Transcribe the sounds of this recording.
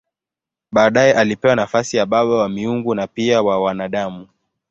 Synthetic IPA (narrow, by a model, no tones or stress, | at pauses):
ɓaːɗajɛʔalipɛwanafasijaɓaɓawamiuŋɡunapiawawanaɗamu